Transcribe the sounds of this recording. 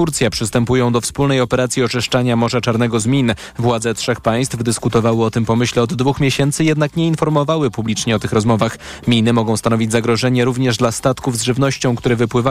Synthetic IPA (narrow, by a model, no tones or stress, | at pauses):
t̪uɾt̪sʲjapʂɘst̪ɛmpujɔ̃w̃d̪ɔfspulnɛjɔpɛɾat̪sʲjiɔt͡ʂɘʂt͡ʂaɲamɔʐat͡ʂaɾnɛɡɔzmʲin | vwad̪zɛtʂɛxpaj̃st̪fd̪ɘskut̪ɔvawɘɔt̪ɘmpɔmɘɕlɛɔd̪ːvuxmʲjeɕɛnt̪sɘjɛd̪nakɲɛinfɔɾmɔvawɘpublʲit͡ʂɲɛɔt̪ɘxɾɔzmɔvax | mʲinɘmɔɡɔ̃w̃st̪anɔvʲid͡ʑʲzaɡɾɔʐɛɲɛɾuvɲɛʐd̪last̪at̪kuvzʐɘvnɔɕt͡ɕɔ̃w̃kt̪uɾɛvɘpwɘva